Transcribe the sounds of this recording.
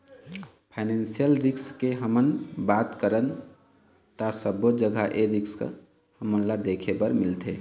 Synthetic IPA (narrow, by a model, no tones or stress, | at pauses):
pʰaɪnensijəlɾikskeɦəmənbat̪kəɾən | t̪asəbod͡ʒəɡʱaʔeɾiksk | həmənlad̪ekʰebəɾmilt̪ʰe